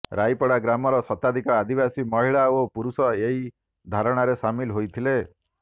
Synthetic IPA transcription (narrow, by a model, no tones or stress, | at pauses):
ɾajpɔɽaɡɾamɔɾɔsɔt̪ad̪ʱikɔad̪ibasimɔɦiɭaopuɾusɔeɦi | d̪ʱaɾɔɽ̃aɾesamilɦojt̪ʰile